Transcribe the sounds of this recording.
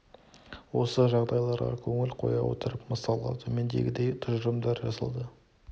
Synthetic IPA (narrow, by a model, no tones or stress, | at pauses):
wo̞səʒɑʁd̪ɑjlˠɑɾʁɑ̰kʲʰɵŋɪlqʰo̞̰jɑ̰wo̞̰t̪əɾəpməsɑlˠɑ̰d̪əmend̪e̞̰ɡʲɪd̪e̞jt̪ʰʊʒəɾəmd̪ɑɾʒɑsə̰lˠd̪ə